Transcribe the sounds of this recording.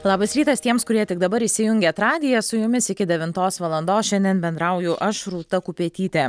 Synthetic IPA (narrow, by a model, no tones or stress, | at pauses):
lˠɑːbɐsɾʲiːt̪ɐst̪ʲiɛmskʊɾʲiɛt̪ʲɪɡ̚d̪ɐbɐɾiːʃʲsʲɪjʊŋʲɡʲɛt̪ɾɑːd̪ʲɪjɛsʊjʊmʲɪsɪkʲɪd̪ʲɛʋʲɪnt̪oːsʋɐlˠɐnd̪oːsʃʲɛnʲd̪ʲiɛnbʲɛnd̪ɾɐʊjʊʔɐʃɾuːt̪ɐkʊpʲiɛt̪ʲiːt̪ʲeː